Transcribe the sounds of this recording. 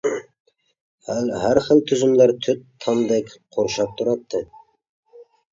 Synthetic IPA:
hælɦæɾχəlt̪ʰyzɪmlæɾt̪ʰʏt̪ʰːɑmd̪ɛkʲqʰoɾʃɑp̚t̪ʰʊɾɑt̪ʰːɨ

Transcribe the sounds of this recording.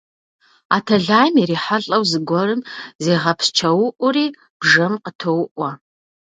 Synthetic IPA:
a̰ːtʰɐɮaːjmeɾiːħaɬʼɐwzɨɡʷɔrɨmzeːʁɐpʰst͡ʃʰɐwʊʔʷʊriː | b̥ʐɐmqətʰowʊʔʷɐ

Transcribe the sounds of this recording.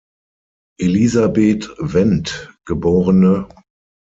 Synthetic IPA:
ʔelizabeːtvɛntɡ̥əboːʁənə

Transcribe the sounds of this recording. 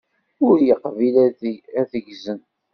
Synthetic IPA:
ʊɾjəqːvilææðəʝzən

